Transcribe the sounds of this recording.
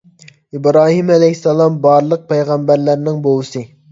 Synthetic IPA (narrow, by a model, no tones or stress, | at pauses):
ibɾɑːɦimɛlɛɦsːɛlˠɑmbɑɾlˠəq̚pʰɛjʁæmbæɾlæɾnɪŋbolˠɨsɨ